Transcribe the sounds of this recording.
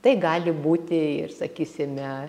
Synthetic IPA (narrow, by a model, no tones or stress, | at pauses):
t̪ɐɪɡɑːlʲɪbuːt̪ʲɪɪ̰rsɐkʲiːsʲɪmʲɛ